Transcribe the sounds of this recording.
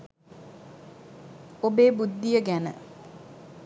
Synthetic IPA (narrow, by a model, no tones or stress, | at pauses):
obeːbud̪ːijəɡænə̰